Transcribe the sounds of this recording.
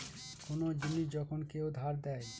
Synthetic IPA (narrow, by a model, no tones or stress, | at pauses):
konod͡ʒinːid͡ʒɔkʰonkeud̪ʱaɾd̪ɛe